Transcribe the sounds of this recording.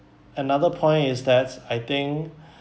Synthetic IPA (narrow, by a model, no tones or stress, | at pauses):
ənaðəpʰɔ̃ɪ̃ntɪsdɛtajt̪ɪ̃ŋk